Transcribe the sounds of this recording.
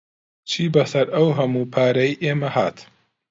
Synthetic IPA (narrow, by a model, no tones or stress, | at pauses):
t͡ʃʰiːbɐsɐɾɐwɦɐmuːpʰaːɾɐiʔeːmɐhaːt̪